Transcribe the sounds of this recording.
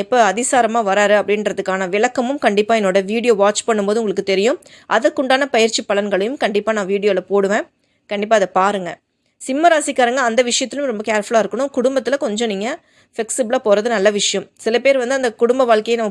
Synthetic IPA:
ɛpːoɐðɪsaːɾɐmaːʋɐɾaːɾɯɐpːɐɽɪnɾɐðɯkːaːnɐʋɪlɐkːɐmɯmkɐɳɖɪpːaːɛnːoːɽɐʋiːɽɪjoːʋaːt͡ʃpɐɳːɯmpoːðɯʊŋɡɐɭɯkːɯt̪ɛɾɪjɯ̃m | ʔɐðɐkːʊɳɖaːnɐpɐjɪɾt͡ʃipːɐɭɐnɡɐɭɐjɯmkɐɳɖɪpːaːnãːʋiːɽɪjoːlɐpoːɽɯʋẽː | kɐɳɖɪp̬ːaːɐðɐpaːɾɯŋɡɐ | sɪmːɐɾaːsɪkːaːɾɯŋɡɐːnd̪ɐʋɪʂɐjɐt̪ːɪlɯmɾɔmbɐkeːɾfɐɭaːɪɾɯkːɐɳʊ̃mkʊɽʊmbɐt̪ːɪlɐkɔɲd͡ʒɔ̃niːŋɡɐ | fɛksɪbɪɭaːpoːɾɐðɯnɐlːɐʋɪʂɐjɐ̃msɪlɐpeːɾʋɐnd̪ɯɐnd̪ɐkʊɽʊmbɐʋaːɭkɐjɐnɐmːɐ

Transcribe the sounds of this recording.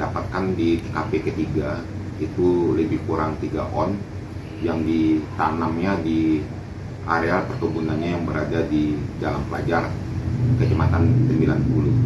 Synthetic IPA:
dapat̪̚kandikapekət̪iɡa | it̪uləbɪhkuɾaŋt̪iɡa̰ʔɔn | jaŋdit̪anamɲadi | ʔaɾealpərk̪ubunanɲajaŋbəɾadadidalampəla̰d͡ʒarkət͡ʃəmat̪ansəmbilanpulu

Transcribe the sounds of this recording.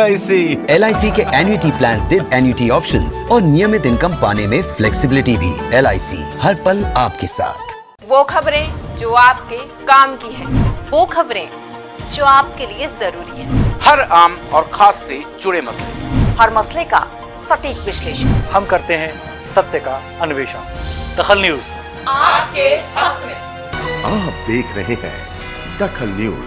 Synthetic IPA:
aːisiɛːlaːisikeʔɛːnjuɪʈiplɛ̃ːnsd̪ɪd̪ɛːnjuʈiɔːpʃə̰̃nzɔːɾnijəmɪt̪ɪ̃nkəmpaːnemẽflɛːksɪbɪlɪʈibʱḭːɛlaːisḭhɐɾpɐlaːpkesa̰ːt̪ʰ | ʋoːkʰɐbɾẽd͡ʒoːaːp̚ke | kaːmkiɦɛ̃ːʋoːkʰɐbɾẽ | d͡ʒoːaːp̚keliezɐɾuːɾiɦɛ̃ːhɐɾaːmɔːɾxʰaːsːed͡ʒʊɽemɐslḛɦɐɾmɐsleka̰ | sɐʈiːkʋɪʃleːʃənhɐmkɐɾt̪eɦɛ̃ | sɐt̪jəka | ɐnʊʋeːʃa | d̪ɐxəlnjuːz | aːpkehɐkmẽ | ap̚d̪eːkʰɾɐɦẽɦɛ̰̃ː | d̪ɐxʰəlnjṵːz

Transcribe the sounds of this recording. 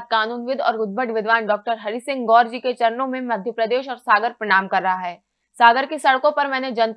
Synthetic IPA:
t̪̚kaːnuːnʋɪd̪ʱɔ̰ːɾʊd̪̚bʱəʈʋɪd̪ʋaːnɖɔːk̚ʈəɾɦɐɾisɪ̃ŋɡɡɔːɾd͡ʒiːket͡ʃɐɾənõmẽmɐd̪ʱjəpɾəd̪eːʃɔːɾsaːɡəɾpɾɐɽ̃aːmkɐɾːɐɦaɦɛː | saːɡəɾkesɐɽkõpɐɾmɛ̃ːned͡ʒɐ̃nt̪

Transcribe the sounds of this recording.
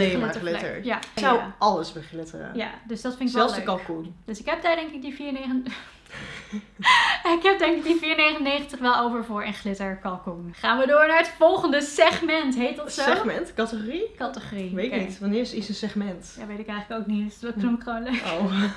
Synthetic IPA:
emaəlɪə̰jasawəʔɑləsbəχlɪtə̰rə̰ja̰døsdɑtfɪntɪkɛlˠlsldəkɑlˠkund̥øsɪkɦɛp̚daːɹdɛŋkɪk̚difiːɹneən | ɪkɦɛp̚dɛŋkɪk̚difiːɹnejχənnejχəntəχʋɛlˠowvəɹvʊːɹənχlɪtəɹkɑlˠkunχaːnʋədʊːɹnaːɹətfɔlˠχəndəsɛχmɛntɦejt̚dɔtsoɛmɛntkɑtəχorikɑtəχoːriʋetɪnitʋɑnɪːɹsɪsənsɛχmɛntdaʋejtɪkɛjχləkowk̚nisknumkχownløo

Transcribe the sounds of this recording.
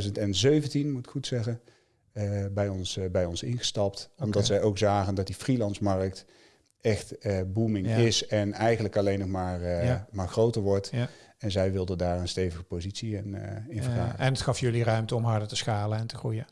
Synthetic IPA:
zəntɛnzøɥvəntinmutɪ̥kχutsɛχən | bɛjɔnsbɛjɔnsɪnχə̥stɑptɔmdɑtsɛjowkzaːχəndɑt̚difrilɑntsmɑɹək̚t | ɛχtːbumɪŋɪsɛnɛjχənləkɑlejnːɔχmaːɹmaːɹχrowtəɹʋɔɹtɛnzɛjʋɪlˠdəndaːɹənstejvəɣəpowzitsiɪnɪnvəxa̰ːɛnətxɑfjɵlirœɥmtəɔmɦɑɹdətəsxaːlənɛntəχrujə

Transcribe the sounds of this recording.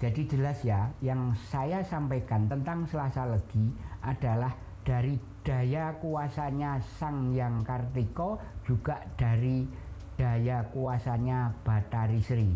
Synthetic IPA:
d͡ʒ̥adid͡ʒəlasjajaŋsajasampejkant̪ənt̪aŋsəlasaləɡ̥iʔad̥a̤lah | d̥a̤ɾi | d̥a̤jakuasaɲasaŋjaŋkart̪ikɔd͡ʒ̥uɡ̥aʔd̥a̤ɾi | d̥a̤jakuasaɲab̥at̪aɾisɾi

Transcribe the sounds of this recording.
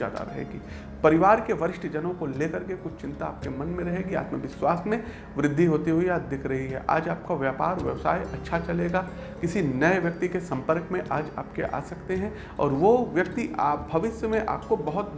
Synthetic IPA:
a̰ːd̪a̰ɾɐɦḛːɡḭː | pɐɾɪʋaːɾkeʋɐɾɪʃʈʰd͡ʒɐnõkoleːkɐɾkekʊt͡ʃʰt͡ʃɪ̃nt̪aaːp̚kemɐ̃nmẽɾɐɦeːɡia̰ːt̪məʋɪswaːsmẽ | ʋɾɪd̪ʱːiɦoːt̪iɦuiaːd̪ɪkʰɾɐɦiɦɛ̰ʔa̰ːd͡ʒaːp̚kaʋjaːpa̰ːɾʋjɐ̰ʋsa̰ːjʔɐtːʃʰat͡ʃɐleːɡaː | kɪsinɐeʋjɐk̚t̪ikesɐ̃mpəɾkmẽʔaːd͡ʒa̰ːpkeʔa̰ːsɐkt̪eɦɛ̃ | ɔ̰ːɾʋoʋjɐkt̪iʔa̰ːp̚bʱɐʋɪsjəmẽʔa̰ːp̚kobɐɦʊt̪̚

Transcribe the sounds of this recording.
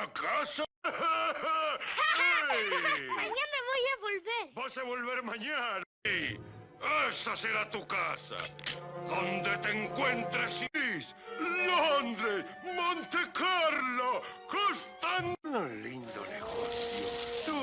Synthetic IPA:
akasa | maɲameβojaβolβeɾbosaβolβeɾmãɲan | i | esaseɾat̪ukasa̰ðond̪et̪eŋkwe̞nt̪ɾesis | lond̪ɾemõnt̪e̞kaɾlokost̪anolḭnd̪o̰nḛɣoθjot̪u

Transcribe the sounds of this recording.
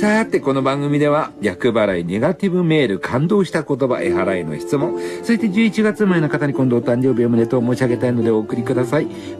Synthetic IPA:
saat̪ːe̞ko̞no̞bãŋɡɯ̟mʲid̪e̞βajʲakɯ̟baɾaine̞ɡat̪ʲibɯme̞ːɾɯ̟kʰãnd̪o̞ːɕi̥t̪ako̞t̪̬o̞ba̰ʔe̞̰ɦaɾaino̞̰çi̥t͡sɨmõ̞ŋ̃so̞ɕi̥t̪ed͡ʑɨːit͡ɕiɡat͡sɨmae̞no̞kat̪aɲ̟ikond̪o̞ːt̪ãɲ̟d͡ʑo̞ːbʲiomɯne̞t̪oːmo̞ːɕiaɡe̞t̪aino̞d̪e̞o̞ːkɯ̟ɾʲikɯ̟d̪asai

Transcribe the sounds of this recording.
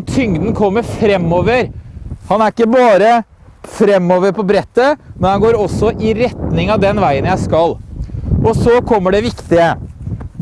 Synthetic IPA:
t̪ʰʏŋd̪n̩kʰɔmːəɾfɾɛmːoːʋəɾhɑnæɾɪkːəbɑːɾə | fɾɛmːoːʋəɾpʰɔbɾɛt̪ːəmɛnhɑnɡoːɾɔsːɔʔɪɾɛt̪nɪŋɑʋd̪ɛnʋæɪənjæɪskɑlʔɔsɔkʰɔmːəɖɛʋɪkt̪ɪə

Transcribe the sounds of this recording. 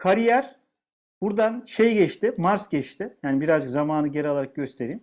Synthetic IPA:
kʰaɾijæɾ | b̥uɾd̪anʃejɟɛt͡ʃt̪ɪmaɾsɟɛt͡ʃt̪ʰɪjaːnibiɾazd͡ʒɯkzamaːnɯɟeɾalˠaɾak̚ɟø̞st̪ʰe̞ɾiːm

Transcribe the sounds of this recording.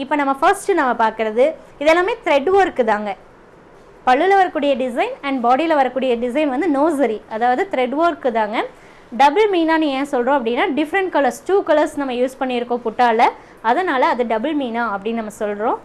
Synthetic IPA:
ɪpːoːnɐmːɐfɐɾsʈɯnɐmːɐpaːɾkɪɾɐðɯ | ɪðɛlːaːmeːt̪ɪɾɛɖʋaːɾkːɯt̪aːŋɡɐ | pɐɭːɯlɐʋɐɾɐkːuːɽɪjɐɖɪsɐɪnɐɳɖbaːɽilɐʋɐɾɐkːuːɽɪjɐɖɪsɐɪnʋɐnd̪ɯnoːs̬ɐɾiɐðaːʋɐðɯt̪ɪɾɛɖʋaːɾkːɯt̪aːŋɡɐ | ɖɐbɐlmiːnaːnɯẽːɐsɔlrõːɐp̬ːɐɽɪnːaːɖɪfɐɾɐɳʈkɐlɐɾsʈuːkɐlɐɾsnɐmːɐjuːspɐɳːɪɪɾɯkːõːpʊʈːaːlɐ | ɐðɐnaːlɐːðɯɖɐbɐlmiːnaːɐpːɐɽɪnnɐmːɐsɔlɾõː

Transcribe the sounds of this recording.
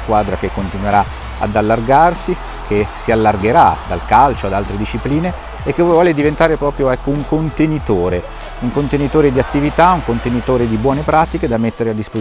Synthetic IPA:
skwaːd̪ɾakekːont̪inweɾa | a̰d̪alːarɡarsi | kʰesialːarɡeɾad̪alkalt͡ʃoad̪alt̪ɾed̪iʃːipliːneː | kːevɔːled̪ivent̪aːɾepɾɔːpɾjoɛkːouŋkont̪enit̪oːɾe | uŋkont̪enit̪oːɾed̪iat̪ːivit̪auŋkont̪enit̪oːɾed̪ibwɔːnepɾaːt̪iked̪amːet̪ːeɾead̪ːispo

